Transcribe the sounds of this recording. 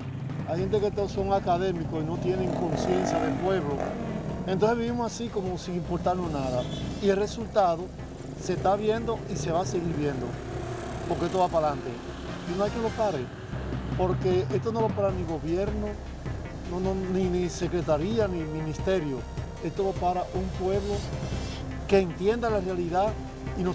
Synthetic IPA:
ajhent̪e̞ket̪oso̞ŋakaðe̞mikoino̞t̪je̞neŋko̞nsje̞nsjaðe̞lpwe̞βlo̞ent̪onse̞βiβimosasiko̞mo̞siŋimpo̞ɾt̪aɾnonaðaielre̞sult̪aðo̞ | se̞st̪aβje̞nd̪o̞ise̞βaseɣiɾβje̞nd̪o̰ | poɾkeest̪oβapalant̪e̞ | inoajkelo̞paɾe | po̞ɾke̞est̪o̞no̞βapaɾaniɣo̞βje̞ɾno | nononĩnise̞kɾe̞t̪aɾianĩmĩnĩst̪e̞ɾjo | e̞st̪oβapaɾaʔumpwe̞βlo̞ | ke̞ːnt̪je̞nd̪alarealiða | ino

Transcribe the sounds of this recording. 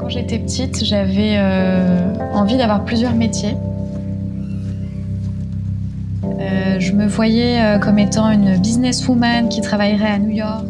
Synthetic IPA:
kɑ̃ʒet̪ɛpət̪ʰit̪ʒavɛø | ɑ̃vid̪avwaʁplyzjœʁmet̪je | øʒəməvwajɛøkɔmet̪ɑ̃ynbiznɛsumankʲit̪χavajʁɛanujɔʁk

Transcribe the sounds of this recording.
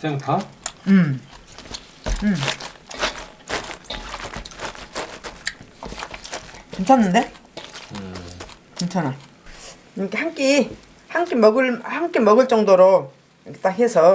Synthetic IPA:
seŋtʰaɯm | ɯm | kent͡ɕʰanːɯnde | kɯnt͡ɕʰana | nikahaŋk͈i | haŋk͈emʌɡɯɭhaŋk͈emʌɡɯɭt͡ɕ͈ʌŋdoɾo | ket͈akhe̞sʰʌ

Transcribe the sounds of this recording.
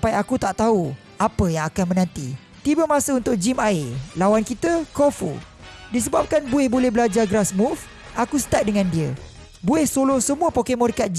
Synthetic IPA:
apajakut̪aʔt̪au | apəjaŋakanmə̃nãnt̪ḭ | t̪ibəmãsəunt̪ʊk̚d͡ʒimaɪlawankit̪əkofṵ | dis̬əbap̚kanbuɛhbolɛhbəlad͡ʒaɡɾasmuf | ʔakusə̥t̪at̪̚dəŋãndiə | buɛhsolosəmũəpokemɔ̃ɾikat̪̚d͡ʒ

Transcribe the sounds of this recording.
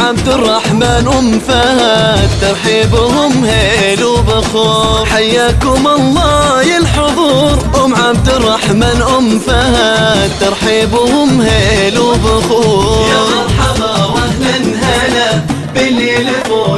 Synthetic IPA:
ʕabd̪ɪrˤːɑħmaːnʔʊmfaat̪ɑɾˤħiːbʊhʊmheː | lubɪxuːħajːaːkʊmɑlˤːɑːjɪlħʊðˤuːɾˤʔʊmʕab̚d̪ɪrˤːɑħmaːnʔʊmfahat̪ːɑɾˤħiːbʊhʊmheːlubɪxojɑɾˤħɑbˤɑwalanhala | bɪlilː

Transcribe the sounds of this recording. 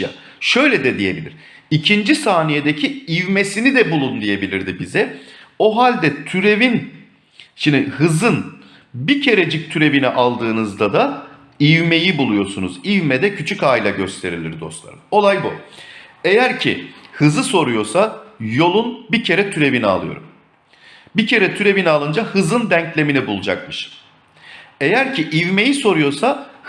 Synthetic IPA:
a̰ | ʃø̞jlʲɛd̪ɛd̪ije̞bilʲiɾ̥ | icʰind͡ʒisaːnije̞d̪ecʰiivme̞sinid̪ɛbulˠund̪ije̞bilʲiɾd̪ibizɛ | oɦalʲd̪ɛt̪ʰyɾe̞vin | ʃind̪ihɯzɯn | bicʰe̞ɾed͡ʒic̚t̪ʰyɾe̞vinɛʔalˠd̪ɯːnɯzd̪ad̪a | ivme̞jibulˠujo̞ɾsunuzivmɛd̪ɛcʰyt͡ʃʰycaːjilʲˠaɟø̞st̪ʰe̞ɾilʲḭɾd̪o̞̰slˠa̰ɾɯmo̞lˠajbṵ | e̞jæɾcʰḭhɯzɯso̞ɾujo̞ɾsajo̞lˠunbicʰe̞ɾɛt̪ʰyɾe̞binia̰lˠɯjo̞̰ɾum | bicʰe̞ɾɛt̪ʰyɾe̞βinalˠɯnd͡ʒahɯzɯnd̪æɲclʲe̞minɛbulˠud͡ʒa̰k̚mɯʃ | e̞jæɾcʰiʔivme̞jiso̞ɾujo̞sa

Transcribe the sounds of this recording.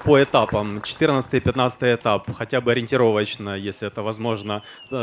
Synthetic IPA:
pəɪt̪apəmt͡ɕɪ̥t̪ɨrnət̪st̪ɨjpʲɪt̪nat̪sə̥t̪ɨjɪt̪apxɐtʲabɨɐɾʲɪnʲtʲɪɾo̞vət͡ɕnəjesʲlʲɪɛt̪əvɐzmo̞ʐnə

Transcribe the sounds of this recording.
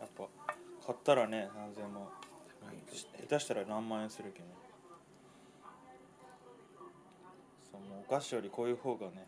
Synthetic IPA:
japːakʰat̪ːaɾane̞nãnze̞mo | et̪aɕi̥t̪aɾanãmːãẽ̞sɨɾɯ̟keno | soːmoːokaɕijo̞ɾʲiko̞ːjɯ̟ːho̞ːɡane̞

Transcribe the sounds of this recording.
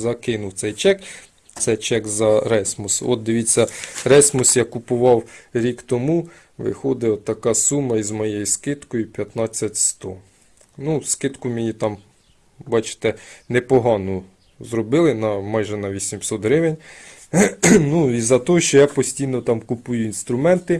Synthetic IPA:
zɐkɪnʊwt̪sɛjt͡ʃɛk | t̪sɛjt͡ʃɛkzɐɾɛsʲmʊsɔ̰t̪̚d̪ɪʋʲit͡sʲːɐrɛsʲmʊsjɑkʊpʊʋɑwɾʲikt̪ɔmu | ʋɪ̰xɔd̪ɪɔt̪ːɐkɑsumɐizmɔjejuskɪt̪kɔjʊpʲjɐt̪nɑt͡sʲːɐtʲst̪ɔ | nuskɪt̪kʊmʲenʲit̪ɑm | bɑt͡ʃɪ̥t̪ɛnɛpɔɦɑnʊ | zɾɔbɪlˠɪnɐmɑjʒɛnɐʋʲisʲimsɔt̪ɦɾɪʋenʲ | nuizɐt̪ɔɔʃt͡ʃɔjɑpɔsʲtʲijnɔt̪ɑmkʊpujʊinst̪ɾʊmɛnt̪ɪ

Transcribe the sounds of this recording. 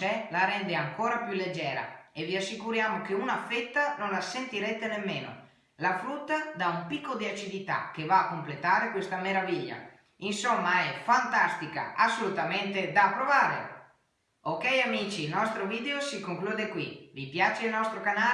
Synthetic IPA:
ɛlaɾɛnd̪eaŋkoːɾapjuled͡ʒɛːɾa̰eviasːikuɾjaːmokeunafet̪ːanonlasent̪iɾɛt̪ːenemːeːno̰ | lafɾut̪ːad̪aumpikːod̪iat͡ʃid̪it̪a̰k̟evaːkːomplet̪aːɾekwest̪ameɾaviʎːa̰ | insomːaɛfant̪ast̪ika̰asːolut̪ament̪ed̪apːɾovaːɾḛ | okɛjamiːt͡ʃiːlnɔst̪ɾoviːd̪eosikoŋkluːd̪ekwivipjaːt͡ʃeilnɔst̪ɾokana

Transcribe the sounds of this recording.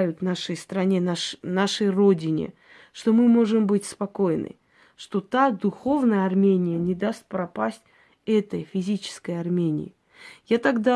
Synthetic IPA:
jʊt̪naʂəjst̪ɾɐnʲenaʂəjro̞dʲɪnʲɪ̰ | ʂt̪o̞mɨmo̞ʐɨmbɨtʲspɐko̞jɪnɨ̰ | ʂt̪o̞t̪ad̪ʊxo̞vnəjəɐrmʲenʲɪjənʲɪd̪ast̪̚ʲpɾɐpasʲtʲ | ɛt̪əjfʲɪzʲit͡ɕɪ̥skəjɐrmʲenʲɪ̰ɪ | jat̪ɐɡd̪a

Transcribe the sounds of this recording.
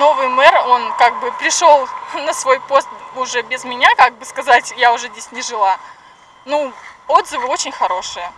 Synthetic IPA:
no̞vɨjmɛro̞nkaɡ̚bɨpɾʲɪʂo̞lˠnəsvo̞jpo̞st̪̚ʊʐɛbʲɪzmʲɪnʲakaɡ̚bɨskɐzatʲjaʊʐɛzʲdʲesʲnʲɪʐɨlˠa | nuo̞d̪zɨvɨo̞t͡ɕɪnʲxɐɾo̞ʂɨjə

